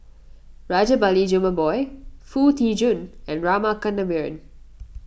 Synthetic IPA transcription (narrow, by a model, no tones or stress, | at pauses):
ɹad͡ʒəbalid͡ʒuməbɔɪfuːt̪ʰiːd͡ʒũnɛ̃nɹaːmakə̃nːəʋiɹə̰̃n